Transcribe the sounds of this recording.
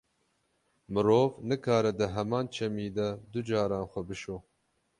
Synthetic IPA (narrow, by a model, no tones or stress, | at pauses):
mɨɾoːvnɨkʰaːɾɛd̪ɨɦɛmɑːnt͡ʃʰɛmiːd̪ɐd̪ʊd͡ʒɑːɾɑːnxʷɛbɨʃoː